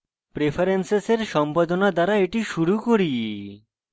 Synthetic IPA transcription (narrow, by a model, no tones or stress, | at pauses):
pɾefʰaɾenseseɾʃɔmpad̪onad̪aɾaeʈiʃuɾukoɾi